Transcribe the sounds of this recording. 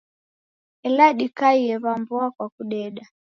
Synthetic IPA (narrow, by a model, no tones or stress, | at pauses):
ɛlaɗikaiɛβambɔakwakuɗɛɗa